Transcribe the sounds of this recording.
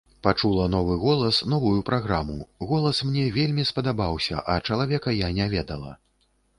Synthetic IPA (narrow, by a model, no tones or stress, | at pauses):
pat͡ʂulˠɐnɔvɨɣɔlˠɐsnɔvujupɾaɣɾamṵɣɔlˠɐsmnʲɛvʲelʲmʲispɐd̪abawsʲɐ̰ʔɐt͡ʂɐlˠavʲɛkɐjanʲavʲɛd̪ɐlˠɐ̰